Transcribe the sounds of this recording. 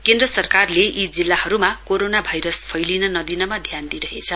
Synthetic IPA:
kendrʌsʌrkarleʔid͡zilːahʌɾumakoɾonabʱajɾʌspʰʌjlinʌnʌd̪inʌmad̪ʱjand̪iɾʌɦet͡sʰʌ

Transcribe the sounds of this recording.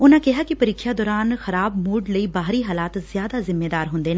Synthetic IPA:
ʊnãːkɪɦaːkɪpəɾɪkʰːjaːd̪ɔːɾaːnxəɾaːbmuːɖləiːbaːɦɾiːɦaːlaːt̪zɪjaːd̪aːzɪmːeːd̪aːɾɦʊ̃nd̪eːnẽː

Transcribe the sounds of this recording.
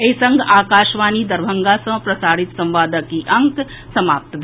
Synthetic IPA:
eisɐ̃ŋɡʱaːkaːʃʋaːnid̪ɐɾbʱəŋɡasɐ̃pɾɐsaːɽɪt̪sɐ̃mʋaːd̪əkiʔɐ̃ŋk | sɐmaːp̚t̪bʱ

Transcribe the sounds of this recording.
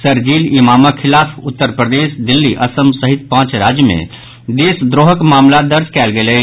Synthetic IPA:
səɾd͡ʒiːlimaːmakʰɪlaːfʰʊt̪ːəɾpɾəd̪eːsd̪ɪlːiʔɐsəmsəɦɪt̪̚pãːt͡ʃɾaːd͡ʒjəmḛ̃ | d̪eːsd̪ɾoːɦəkmaːmlad̪əɾd͡ʒkɛːlɡelɛ

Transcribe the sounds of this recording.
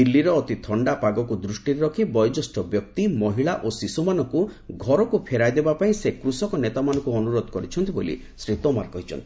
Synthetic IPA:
ilːiɾɔːt̪it̪ʰɔɳɖapaɡɔkud̪ɾusʈiɾeɾɔkʰibɔjd͡ʒɔsʈɔbjɔk̚t̪imɔɦiɭaʔosisumanɔŋkuɡʱɔɾɔkupʰeɾajd̪ebapaĩsekɾusɔkɔnet̪amanɔ̃ŋkuɔnuɾod̪ʱɔkɔɾit͡ʃʰɔnt̪ibolḭ | sɾit̪ɔmaɾkɔɦit͡ʃʰɔ̰nt̪ii

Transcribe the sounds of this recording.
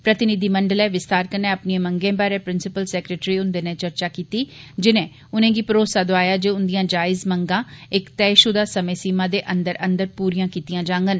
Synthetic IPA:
pɾət̪ɪnɪd̪iːməɳɖəlɛːʋɪst̪aːɾkənẽːəpniẽːməŋɡẽːbaːɾẽːpɾɪnsɪpəlsɛːkɾeːʈɾiːʊnd̪eːnẽːt͡ʃəɾt͡ʃaːkiːt̪iːd͡ʒɪnẽː | ʊnẽːɡiːpɾoːsaːd̪oaːjaːd͡ʒeːʊnd̪ijãːd͡ʒaːɪzməŋɡãːɪkt̪ɛːʃʊd̪aːsəmẽːsiːmãːd̪eːʔənd̪əɾə̃nd̪əɾpuːɾijãːkiːt̪ijãːd͡ʒãːŋɡən

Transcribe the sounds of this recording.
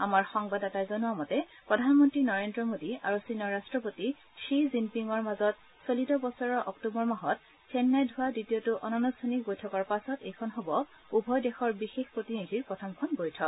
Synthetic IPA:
amaɹxɔŋbadatajzonʊamɔtɛ | pɹɔdʱanmɔntɹinɔɹendɹɔmodia̰ɹusinɔɹastɹɔpoti | ʃizimpiŋɔɹmazɔt̚ | solitɔbɔsɔɹɔʔɔ̰ktubɔɹmaɦɔt̚ | sʰɛnːajdʱʊwaditijɔtʊʔɔnɔnustʰanik̚bojtʰɔkɔɹpasɔtejkʰɔnɦobɔ | ubʱɔjdɛxɔɹbixexpɹotinidʱiɹpɹɔtʰɔmkʰɔnbojtʰɔk̚

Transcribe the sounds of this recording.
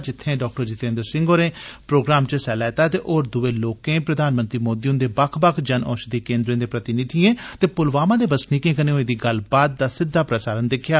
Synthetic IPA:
d͡ʒɪt̪ʰːẽːɖɔːk̚ʈəɾd͡ʒɪt̪ẽːnd̪əɾsɪ̃ŋɡoːɾẽːpɾoːɡɾaːmt͡ʃəsɛːlɛːɪt̪aːt̪eːʔoːɾd̪ʊʋeːloːkẽːpɾəd̪aːnmə̃nt̪ɾiːmoːd̪iːʊ̃nd̪eːbəkʰbəkʰd͡ʒənɔ̰ːʃd̪iːkẽːnd̪ɾẽːd̪eːpɾət̪ɪnɪt̪iːẽːt̪eːpʊlʋaːmãːd̪eːbəsnikẽːkəneːõẽːd̪iːɡəlbaːd̪̚ːaːsɪd̪ʱːaːpɾəsaːɾənd̪ɪkʰjaː

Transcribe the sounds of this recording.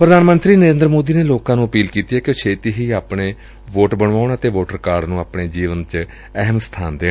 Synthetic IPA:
pɾəd̪aːnmənt̪ɾiːnəɾẽːnd̪ɾmoːd̪iːneːloːkãːnũːəpiːlkiːt̪iːɛːkeːʃʰeːt̪iːɦiːaːpɳeː | ʋoːʈbəɳʋaːʊɳət̪eːʋoːʈəɾəkaːɾɖnũːaːpɳeːd͡ʒiːʋənt͡ʃ | ɛɦmst̪ʰaːnd̪eː

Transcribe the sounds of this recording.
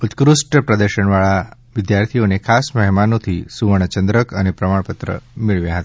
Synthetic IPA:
ut̪kɾusʈəpɾəd̪əɾʃəɳ̃ʋaɭaʋɪd̪jaɾt̪ʰijonekʰasməɦmanot̪ʰisuʋəɳ̃ət͡ʃənd̪ɾəkʰənepɾəmaɳpət̪ɾə̰miɭʋjãɦət̪ḁ

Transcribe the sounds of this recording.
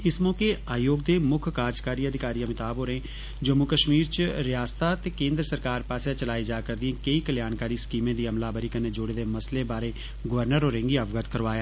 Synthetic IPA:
ɪsmɔːkeːaːjoːɡd̪eːmʊkʰkaːɾd͡ʒkaːɾiːəd̪ʱɪkaːɾijãːmɪt̪aːbɦoːɾẽː | d͡ʒəmʊkəʃmiːɾt͡ʃɾɪjaːst̪aːt̪eːkẽːnd̪ɾəsəɾkaːɾpaːsjãt͡ʃəlaːid͡ʒaːkəɾd̪ɪẽːkəiːkəljaːnkaːɾiːskiːmẽːd̪iːəmlaːbəɾiːkənːeːd͡ʒoːɽeːd̪eːməsleːbaːɾeː | ɡəʋəɾnəɾoːɾɪ̃ŋɡiːəʋɡət̪kəɾʋaːjaː

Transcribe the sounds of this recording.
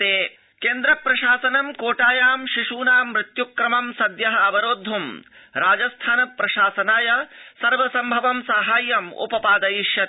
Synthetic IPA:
eː | keːnd̪ɾɐpɾɐʃaːsɐnɐmkoːʈaːjaːmʃiʂuːnaːmːɾɪt̪jukɾɐmɐmsɐd̪jɐɦɐɐbɐɾoːd̪ʱːum | ɾaːd͡ʒɐst̪ʰaːnɐpɾɐʃaːsɐnaːjɐsɐɾʋɐsɐmbʱɐʋɐmsɐɦaːjːɐmṵpɐpaːd̪ɐjiʃjɐ

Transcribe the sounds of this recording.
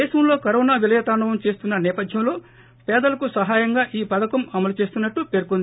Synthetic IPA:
ɛːʃɐmlo̞ːkɐɾɔːnaːʋilɐjɐt̪aːɳɐʋɐmt͡ʃe̞ːst̪unːɐnɛːpɐd̪ʱjɐmlo̞ː | pɛːd̪ɐlɐkusɐɦaːjɐŋɡaːʔiːpɐd̪ɐkɐmɐmɐlut͡ʃe̞ːst̪unːɐʈːupe̞ɾukond̪i

